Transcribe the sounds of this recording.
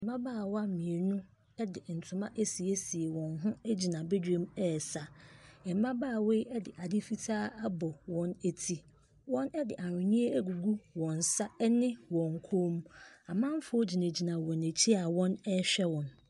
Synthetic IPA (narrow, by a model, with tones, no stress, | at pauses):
ɛ˨m˦bã˦baː˦˨wa˦˨mĩ˨e˨nʊ̃˦ | ɛ˦dɪ˨n̩˨tʰʊ̃˨mã˦ʔe˦si˨e˦si˨e˨wɔ̃˨nɦʊ̃˦æ˦d͡ʑi˨nã˨be˦d͡ʑᶣẽ˦mɛ˦˨sa˨ɛ˨m˦mã˦baː˦˨we˦ɛ˦dɪ˨ʔa˨dɪ˦fi˦tʰaː˦a˦bɔ˨wɔ̃˦ne˨tʰi˦ | wɔ̃˦nɛ˦dɪ̰˨ʔa˨ɾʊ̃˨ɲĩ˦e˦æ˦ɡu˨ɡu˦wɔ̃˨n˨sa˦ɛ˦nɪ̃˦wɔ̃˨ŋ˨kʰoː˦m˦a˨mã˦m˦fo˦d͡ʑi˨næ̃˨d͡ʑi˨nã˨wɔ̃˨ne˨t͡ɕʰi˦a˨wɔ̃˦nɛ˦ɕᶣɛ˦wɔ̃˨n